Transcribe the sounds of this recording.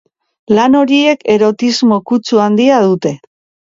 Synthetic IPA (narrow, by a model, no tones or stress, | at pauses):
lano̞ɾie̞ke̞ɾo̞t̪izmo̞kut͡suand̪iaðut̪e̞